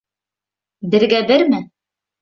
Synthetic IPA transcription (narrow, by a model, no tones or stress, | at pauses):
bɘ̆ɾɡæbɘɾmɘ